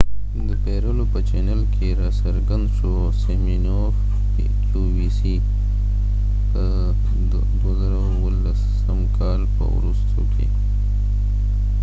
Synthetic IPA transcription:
d̪əpeɾəlopət͡ʃenəlkʰeɾɑsaɾɡand̪ʃo | semino | f | uwisi | ə | d̪wazaɾawwəlas | əmkʰɑlpə̰wɾust̪ʰo̰kʰḛ

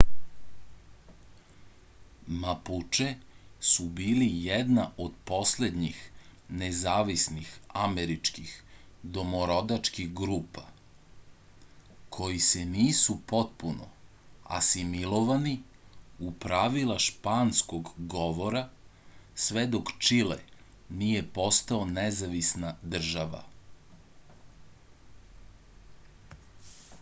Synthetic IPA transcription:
maput͡ʃesubiːlijɛd̪naʔod̪po̞sle̞d̪ɲixnezaːʋisnixameɾit͡ʃkixd̪omoɾo̞d̪at͡ʃkixɡɾuːpa | kʰo̞jiseniːsupo̞t̪̚puno̰ | a̰similˠoʋaniupɾaʋilˠaʃpaːnskoɡɡo̞ʋo̞ɾa | sʋed̪okt͡ʃilḛ | nijepo̞st̪aonezaʋisnad̪r̩ʒaʋa̰

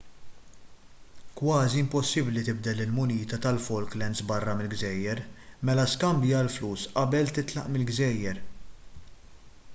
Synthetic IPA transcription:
kwɐːziɪmpɔsːɪblit̪ɪb̚d̪ɛlɪlmʊniːt̪ɐt̪ɐlfɔlklɛnsbɐrːɐmɪlɡzɛːjːɛɾmɛlɐskɐmbjiɐlfluːsʔɐbɛlt̪ɪt̪lɐ̰ʔmɪlɡzɛːjːɛɾ

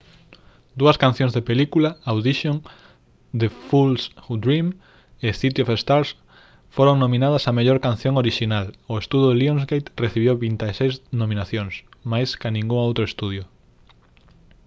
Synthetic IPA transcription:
d̪uɐskan̟θjõŋzðepelikulaawðiʃjoŋ | d̪efulsud̪ɾim | eθit̪iofest̪aɾs | foɾoŋnõmĩnað̞ɐsɐmeʎoɾkan̟θjõŋoɾiʃinalʊest̪uðoðeliõnzɣejt̪reθiβjewβint̪asejznomĩnaθjoŋsmajskanĩŋɡuŋowt̪ɾoest̪uðjʊ

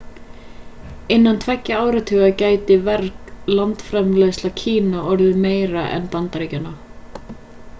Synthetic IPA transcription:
ɪnːant̪ʰvɛcːaaːwɾat̪ʰʏːɣacaːjt̪ɪvɛɾklant̪fɾɛmlejslacʰiːnaɔɾðʏmeːjɾaʔɛ̰npant̪aɾecana

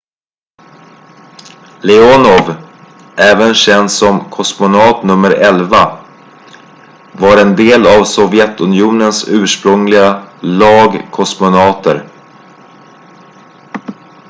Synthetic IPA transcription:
lɛɔnɔv | ʔɛːvənɕɛnd̪sɔmkʰɔsmʊnɑːt̪nɵmːəɾɛlva | vaɾɛnd̪eːlavsɔvjɛt̪ɵnɪjuːnənsʉ̟ːʂpɾɵŋlɪɡalɑːɡkʰɔsmʊnɑːt̪əɾ

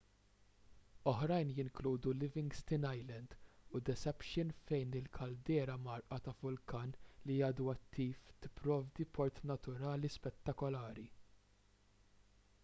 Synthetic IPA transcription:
ɔħɾɐjnjɪŋkluːd̪ulɪvɪŋɡst̪ɪnɐjlɛnd̪ʊd̪ɛsɛpʃɪnfɛjnɪlkʰɐld̪ɛːɾɐmɐɾʔɐt̪ɐvʊlkɐːnlijɐːd̪uɐt̪ʰːiːft̪ɪ̥pːɾɔːvd̪ipʰɔɾt̪nɐt̪ʊɾɐːlispɛt̪ːɐkɔlɐːɾi

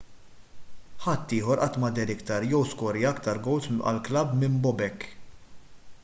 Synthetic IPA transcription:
ħɐt̪ːɪːħɔɾʔɐt̪ːmɐd̪ɛɾɪkt̪ɐɾjɛwskɔɾiɐkt̪ɐɾɡɔwsɐ̰lklɐbmɪmbɔbɛkː

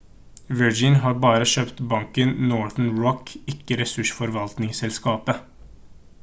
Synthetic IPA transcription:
ʋəɹd͡ʒɪnɦɑːɾbɑːɾəʃøːpt̪bɑŋkənnɔɹθn̩ɹɔkɪkːəɾɛsʉʂfɔɾʋɑlt̪nɪŋsɛlskɑːpə

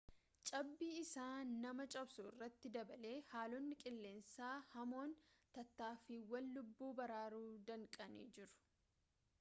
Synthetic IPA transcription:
t͡ʃʼɐbːiːɪsaːnːɐmɐt͡ʃʼɐbsuːɪ̰rːɐt̪ːɪd̪ɐbɐle̞ːhaːlonːɪkʼɪlːe̞ːnsaːhɐmo̞ːnt̪ɐt̪ːaːfiːwɐlːʊbːuːbɐɾaːɾuːd̪ɐŋkʼɐnḭːd͡ʒɪɾʊ̥

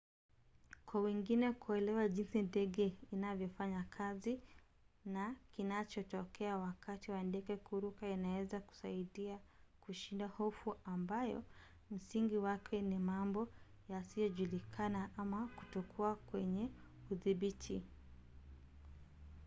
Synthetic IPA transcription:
kwawiŋɡinɛkuɛlɛwaʄinsindɛɠɛinavjɔfaɲakʰazi | nakinat͡ʃɔtɔkɛawakatiwandɛɡɛkuɾukainawɛzaku̥saiɗiakuʃindahɔfuambajɔ̰ | m̩siŋɡiwakʰɛnimambɔ | jasijɔʄulikʰanaʔamaku̥tɔkʰuakwɛɲɛ | uðiɓitʰi

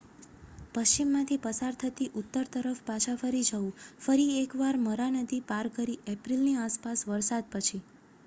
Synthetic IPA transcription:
pəʃt͡ʃimːãt̪ʰipəsaɾt̪ʰət̪iʔʊt̪ːəɾt̪əɾəfpat͡ʃʰafəɾid͡ʒəũfəɾiekʋaɾməɾanəd̪ipaɾkəɾiʔɛpɾilniaspasʋəɾsad̪̚pət͡ʃʰi

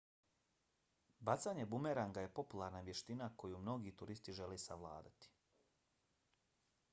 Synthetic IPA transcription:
bat̪saɲe̞bumeɾaŋɡaje̞po̞pulˠaɾnaʋje̞ʃt̪inako̞jumno̞ɡit̪uɾist̪iʒe̞lesaʋlˠa̰ːd̪at̪i̥

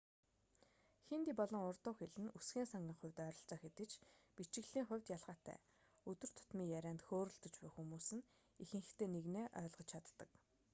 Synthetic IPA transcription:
xent̪iːpɔɮɞ̆ŋʊrt̪ʊːxeɮɘ̆nusɡiːnsaŋɡʲiːŋχʊ̟wʲt̪œːɾɞ̆ɬt͡sœːxet̪ɘ̆t͡ɕpit͡ɕɪ̆ɣɮiːŋχʊ̟wʲt̪jaɮʁaːt̪ʰæ̰ː | ɵt̪ɵ̆r̥t̪ʰʊ̥t̪miːŋjæɾʲæːnt̪xoːɾɵ̆ɬt̪ɞ̆t͡ɕpæːxumuːsɘ̆n | ixɘ̆ŋxɘ̆xt̪ʰeːneɣneːʔœ̰ːɮʁɞ̆t͡ɕt͡ɕʰat̪ːə̆k

